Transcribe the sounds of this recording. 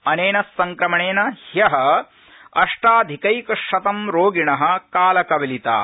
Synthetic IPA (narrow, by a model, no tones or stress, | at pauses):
ɐneːnɐsːɐŋkɾɐmɐɳeːnɐhjɐɦɐ̆ | ɐʂʈaːd̪ʱikɐjkɐʂɐt̪ɐmɾoːɡiɳɐɦɐ̆kaːlɐkɐʋɐlit̪a̰ː